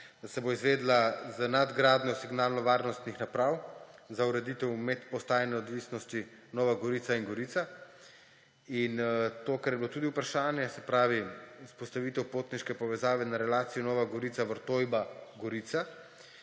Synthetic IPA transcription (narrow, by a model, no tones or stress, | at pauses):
d̪asɛboizʋeːd̪lazənad̪ɡɾaːd̪nɔsiɡnaːlnɔʋaːɾnɔst̪nixnapɾaːwzauɾɛd̪it̪ɛwmɛt̪pɔst̪aːjnɛɔd̪ʋisnɔst̪i | nɔːʋaɡɔɾiːt̪saiŋɡɔɾiːt̪sa | int̪oːkaɾjɛbilot̪uːd̪iupɾaʃaːnjɛsɛpɾaːʋiuspɔst̪aʋiːt̪ɛwpot̪niʃkɛpɔʋɛzaːʋɛnaɾɛlaːt̪sijɔnɔːʋaɡɔɾiːt̪saʋəɾt̪oːjbaɡɔɾiːt̪sa